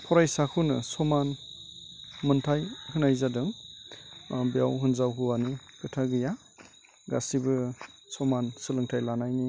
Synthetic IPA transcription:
pʰɔɾajsakʰunɯsɔman | mɯntʰajhɯnajzadɯŋ | bijawɦɯnzawɦuwanɯkɯtʰaɡɯja | ɡa̰sibɯsɔmansɯlɯŋtʰajlanajni

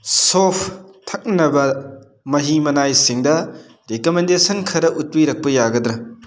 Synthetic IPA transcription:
sopʰtʰɐk̚nɐbɐ | mɐɦimɐnajsiŋdɐ | ɾekomendesɐnkʰɐɾɐʔut̚wijɾɐk̚pɐjaɡɐdɾɐ

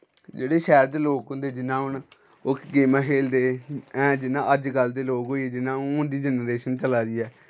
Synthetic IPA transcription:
d͡ʒeːɽeːʃɛːɾd̪eːloːkɦʊ̃nd̪eːd͡ʒɪnãːɦʊn | ʊkɡeːmãːkʰeːld̪eːɛ̃ːd͡ʒɪnãːʔəd͡ʒɡəld̪eːloːkɦoːiːd͡ʒɪnãːoʊnd̪iːd͡ʒənɾeːʃənt͡ʃəlaːɾiːɛː

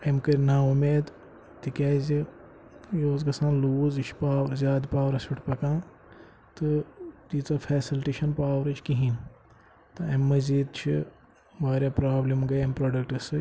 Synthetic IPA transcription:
ɐmkɐɾʲnaːumeːd̪ | t̪ikʲaːzi | joːzɡɐsãːnluːzt͡ʃʰpaːʋɾzʲaːd̪paːʋɾɐsuʈʰpɐkãː | t̪ɨt̪iːt͡sɐːfʰeːsilʈeːʃɐnpaːʋɾɨt͡ʃʰkiɦin | t̪ɨɐmːɐziːd̪t͡ʃʰi | ʋaːɾʲjaːpɾaːblimɡɐjɐmpɾoːɖɐk̚ʈɨsɨ

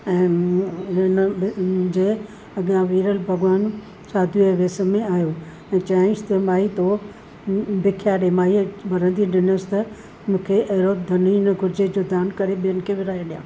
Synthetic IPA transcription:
ɛ̃ː | n | d͡ʑeː | ɐɡãʋiːɾəlbʱɐɡʋaːn | saːd̪ʱueʋeːsəmẽaːjoː | ɛ̃ːt͡ɕaːɪ̃st̪ɐmaːit̪o | bʱɪkʰjaːɗemaːibɐɾə̃nd̪ʱiɗɪnosɪ̥t̪ɐ | mũːkʰeʔɐɦɾoːt̪d̪ʱɐninɐɡʱʊɾɪd͡ʑed͡ʑod̪aːnkɐɾeɓijənɪ̆kʰeʋɪɾaːɦeɗijã̰ː

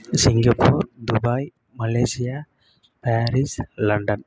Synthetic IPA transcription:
siŋɡapʰɔɾd̪ubaj | malajsija | paɾislanɖɔn

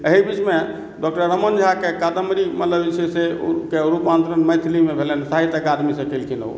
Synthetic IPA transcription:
əɦibit͡ʃme | ɖɔk̚ʈəɾɾːəmənd͡ʒʱakekad̪əmɾimət̪ləbt͡ʃʰesekeɾupant̪ɾənməjt̪ʰlimebʱelensaɦit̪əkad̪misə̃kelkʰino̰

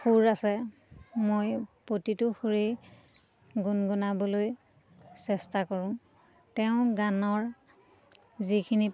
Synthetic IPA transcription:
xuɹasɛ | mojpɹotitʊxuɹe | ɡunɡunabɔloj | sɛstakɔɹʊ̃ | tɛʊ̃ɡanɔɹ | zikʰini

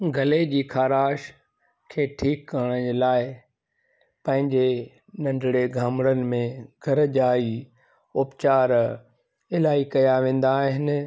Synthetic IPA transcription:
ɡʱɐled͡ʑiːkʰaːɾaːʃ | kʰeːʈʰiːkːɐɾəɽ̃əd͡ʑeːlaːɪ | pɐ̃ɦɪ̃ɲd͡ʑe | nɐ̃ɳɖʱɽeɡʱaːmɽənɪ̆mẽɡʱɐɾd͡ʑaːi | ʊpt͡ɕaːɾ | ɪlaːikɐjaʋẽːn̆d̪aːɦɪnɪ

